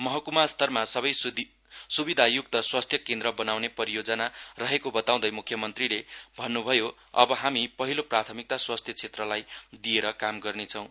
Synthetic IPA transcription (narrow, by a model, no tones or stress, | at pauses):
mʌɦʌkumast̪ʰʌrmasʌbʌj | subid̪ʱajuk̚t̪ʌswast̪ʰjʌkẽnd̪ɾʌbʌnawnepʌɾijod͡zʌnarʌɦekobʌt̪aw̃d̪ʌjmukʰːjʌmʌnt̪rilebʱʌnːubʱʌjo | ʌ̰bʌɦamipʌɦiloprat̪ʰʌmik̚t̪aswast̪ʰjʌt͡sʰet̪rʌlajd̪ieɾʌkamɡʌrnet͡sʰʌw̃